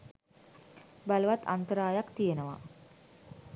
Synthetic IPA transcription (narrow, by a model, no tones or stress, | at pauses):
baləʋat̪a̰nt̪əɾaːjakt̪ijenəʋa